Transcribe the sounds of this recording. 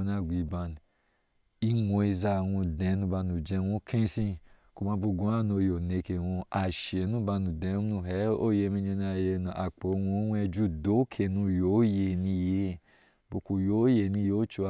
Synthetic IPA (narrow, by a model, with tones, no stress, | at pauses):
na˧˨ɡʷi˨˧ba˧n˨ | i˧wõ˧˦i˧za˧˨wũ˧dɛ̃˨˦nũ˧ba˧nũ˨d͡ʒɛ̃˧˦wõ˦kʰẽ˦sĩ˧ku˧mã˧˦bo˧ɡõ˦a˦˨no˧jo˨ne˧ke˨wõ˧a˨ʃe˨˦nũ˦ba˧nũ˨dɛ̃˨˦nũ˧˨ɦɛ˨˦o˦je˧˨˧mĩ˧ɲo˧na˧˨je˧˦nu˧˨ʔa˨k͡po˨˦˧wõ˦wɛ˧d͡ʒu˦do˦kʰe˨nũ˧jo˨˦je˨nĩ˧je˨˦ | bo˧ku˧jo˨˦je˨nĩ˧jo˨˦t͡ʃo˧